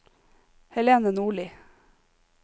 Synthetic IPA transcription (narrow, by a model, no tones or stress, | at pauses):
hɛleːnənuːɭiː